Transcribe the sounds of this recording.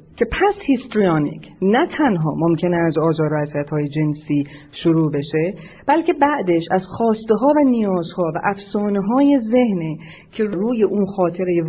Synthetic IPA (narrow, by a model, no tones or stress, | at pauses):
cʰe̞pʰæshist̪ɾijɒnḭcʰnæt̪ʰænɦɒ̰ːmomcʰe̞neæzɒːzɒːɾæziæt̪hɒːjed͡ʒe̞nsiː | ʃoɾuːbe̞ʃe̞ | b̥ælcʰe̞bæʔd̪eʃæzxɒːst̪e̞ɦɒːvænijɒːzhɒːvæ̰ʔæfsɒːneɦɒːje̞ze̞hne | cʰe̞ɾɾuːje̞ʔuːnxɒːt̪ʰe̞ɾeje